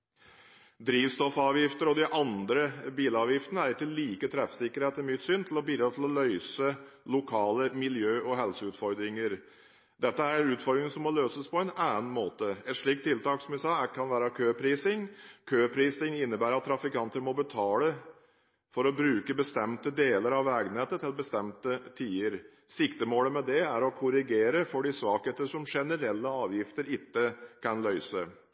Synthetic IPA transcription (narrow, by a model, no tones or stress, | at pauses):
d̪ɾiːʋst̪ɔfɑːʋjɪft̪əɾɔd̪ɪʔɑnd̪ɾəbiːləɑːʋjɪft̪ənəæɾɪkːəliːkət̪ʰɾɛfsɪkːəɾheːt̪ɛmʏt̪sʏnt̪ʰlɔbiːd̪ɾɑt̪ʰɪlɔlœʏsəlʊkʰɑːləmɪljøːʔɔɦɛlsəʉːt̪fɔɾd̪ɾɪŋəɾ | d̪ɛt̪ːəæɾnʉːt̪fɔɾd̪ɾɪŋsɔmːɔløːsəspʰɔɛnæːənmoːt̪əɛt̪ʂɭiːk̚t̪ʰːɪlt̪ɑːksɔmjæsɑːækʰɑnʋæːɾəkʰøːpʰɾiːsɪŋkʰøːpʰɾiːsɪŋɪnːəbæːɾɑt̪ʰːɾɑfɪkɑnt̪əɾmɔbət̪ʰɑːlə | fɔɾɔbɾʉːkəbəst̪ɛmt̪əd̪eːləɾɑʋæːɡnɛːt̪ət̪ʰɪlbəst̪ɛmt̪ət̪ʰiːəɾ | sɪkt̪əmoːləmɛd̪ɛæɾɔkʰʊɾɪɡeːɾəfɔɖɪsʋɑːkeːt̪əʂɔmʂɛnəɾɛlːəɑːʋjɪft̪əɾɪt̪ːəkʰɑnlœʏsə